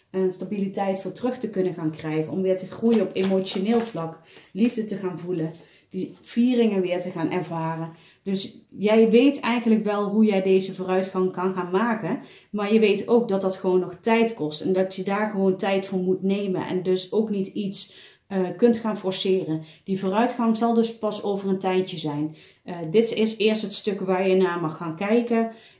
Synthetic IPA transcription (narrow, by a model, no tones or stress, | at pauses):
nstabilitɛjtfʊːɹtrɵxtəkɵnənxaːnkrɛjχənɔmʋɪːɹtəχrujənɔpemowt͡ʃonɪːlˠvlɑklivdətəɣaːnvulən | d̥iv̥iːrɪŋənʋɪːɹtəɣaːnʔɛ̰ɹvaːrən | d̥ɵsjɛjʋejtɛjɣənləkʋɛlˠɦujɛjdejzəvoːrœɥtxɑŋkɑnxaːnmaːkən | maːɹjəʋejtowk̚dɑtdɑtxəʋownːɔxtɛjtkɔstɛndɑtjədaːɹχəʋowntɛjtfʊːɹmutnejmə̰nʔɛ̰ndɵsowknitits | kɵntxaːnfɔɹsɪːrənd̥ivoːrœɥtxɑŋzɑlˠdɵspɑsowvərəntɛjtəzɛjn | dɪtɪsɪːɹstɦətstɵkʋaːɹjənaːɹmɑχːaːnkɛjkən